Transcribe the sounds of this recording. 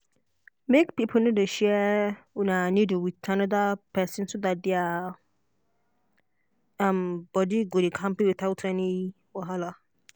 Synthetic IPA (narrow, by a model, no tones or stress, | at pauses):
mekpipʰonʊ̃dʊɕɛnãnĩduwiãnɔ̃dapʰɛsɪ̃nsodat̚dɪa | ãmbɔdiɡʊdɪkʰãmpewitatʰɛni | wɔɦala